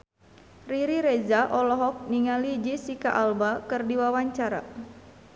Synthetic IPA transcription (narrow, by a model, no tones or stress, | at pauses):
riɾiɾezaʔɔlɔɦɔk̚niŋalid͡ʒisika̰ʔalbakɨrdiwawaɲt͡ʃaɾa̰